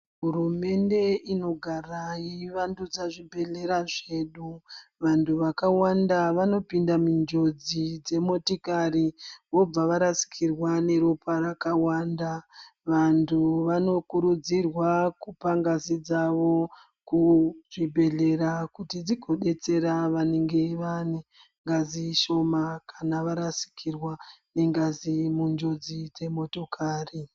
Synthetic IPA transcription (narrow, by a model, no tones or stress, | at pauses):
ɦuɾume̞nde̞ino̞ɡʱarajiʋandud͡zaʐibʱe̞ɮe̞ɾaʐe̞ːɗuʋantʰuʋakawandaʋano̞pindamund͡ʒo̞d͡zid͡ze̞mo̞tikaɾiʋo̞b͡vaʋaɾasi̥kʰirwane̞ɾopʰarakawaːndaʋantʰuʋano̞kuɾud͡zirwakupaŋɡazid͡zaʋo̞ | kuʐibʱe̞ɮe̞ɾakutid͡ziɡʱo̞ɗe̞t͡se̞ɾaʋaneŋɡe̞ʋane | ŋɡaziʃo̞makʰanaʋaɾasi̥kʰirwane̞ŋɡazimund͡ʒo̞d͡zid͡ze̞mo̞to̞kʰaːri